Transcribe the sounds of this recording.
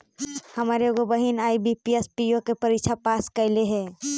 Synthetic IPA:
hɐmaːɾeɡobəɦinaːibipiespijokepəɾiːt͡ʃʰapaːskɐɪleɦɛː

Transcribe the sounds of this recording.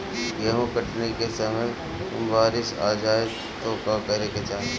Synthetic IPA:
jeɦũkɐʈnekesɐməj | t̪ʊmbaːɾɪʃa̰ːd͡ʒaːɪ | t̪oːkakɐɾeket͡ʃaːe

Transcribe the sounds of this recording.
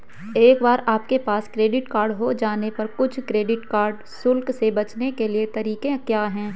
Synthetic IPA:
eːkbaːɾaːp̚kepaːskɾeːɖɪʈkaːɾɖɦod͡ʒaːnepɐɾkʊt͡ʃʰkɾeːɖɪʈkaːɾɖ | sʊlksebɐt͡ʃnekeliet̪ɐɾiːkẽkjaːɦɛ̃ː

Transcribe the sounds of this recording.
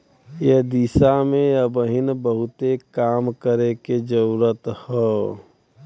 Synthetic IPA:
jed̪isamẽəbəɦɪnbəɦʊt̪ekaːmkəɾeked͡ʒəɾuɾət̪hɛː

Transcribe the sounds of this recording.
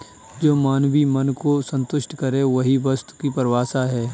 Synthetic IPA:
d͡ʒoːmaːnwimɐnkosə̃nt̪ʊʃʈkɐɾẽʋɐɦiʋɐst̪kipɐɾʋaːsaɦɛː

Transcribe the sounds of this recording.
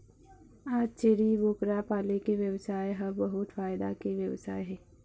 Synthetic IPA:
aːd͡ʒt͡ʃeɽiboːkɾapaːlekeʋjɐwsaːeɦɐbɐɦʊt̪faːɪd̪akeʋjɐwsaːeɦɛː

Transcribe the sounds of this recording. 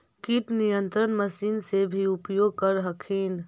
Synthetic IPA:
kiʈnijə̃nt̪ɾənməsiːnsebʱiʊpjoːɡ̚kɐɾɦəkʰiːn

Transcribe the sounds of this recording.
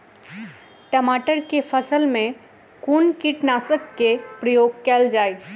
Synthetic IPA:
ʈəmaːʈəɾkepʰəsəlmẽ | kunkɪʈnaːsəkːepɾəjoːɡ̚kɛːld͡ʒaːe

